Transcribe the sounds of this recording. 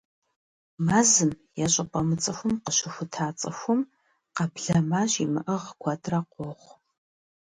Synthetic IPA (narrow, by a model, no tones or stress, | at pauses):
maːzɨm | jɛɕʼɐpʼɐmɨt͡sʼɐxʷʊmqəɕɪxʷʊtʰaːt͡sʼɐxʷʊm | qɐpɮɐmaːɕimɨʔɐʁkʷʰɐtʰʼrɐqʷɔχʷ